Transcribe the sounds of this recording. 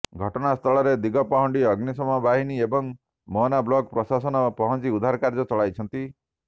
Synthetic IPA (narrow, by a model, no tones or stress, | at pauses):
ɡʱɔʈɔnast̪ʰɔɭɔɾed̪iɡɔpɔɦɔɳɖiʌɡnisɔmɔbaɦiniebɔŋ | mɔnablɔɡpɾɔsasɔnɔpɔɦɔnt͡ʃiud̪ʱaɾkaɾd͡ʒɔt͡ʃɔɭajt͡ʃʰɔnt̪i